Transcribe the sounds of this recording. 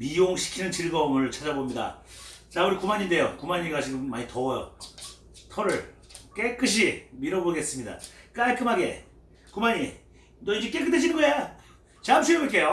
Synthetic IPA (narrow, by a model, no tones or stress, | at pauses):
mijoŋɕʰi̥kʰinɯnt͡ɕiɭɡʌmɯɭt͡ɕʰad͡ʑabomɲida̰t͡ɕauɾikumaɲinde̞jokumaɲiɡat͡ɕiɡɯmːaɲitʰʌʌjo̰ | tʰʌɾɯɭk͈ek͈ɯɕ̬ʰimiɾʌboɡe̞s͈ɯmɲida̰k͈aɭk͈ɯmɦaɡe̞̰ | kumaɲi | nʌid͡ʑek͈ek͈ɯtʰeɕ̬inɯnɡʌejo | t͡ɕamsʰɯɯmɯk͈ejo